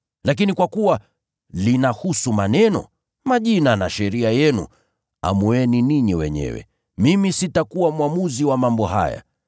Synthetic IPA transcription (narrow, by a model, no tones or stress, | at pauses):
lak̬inikwakuwa | linahusumanɛnɔ̰ | maʄinanaʃɛɾiajɛnṵ | a̰muɛniniɲiwɛ̰ɲɛ̰wɛ̰ | mimisitakuwamwamuziwamambɔha̰ja̰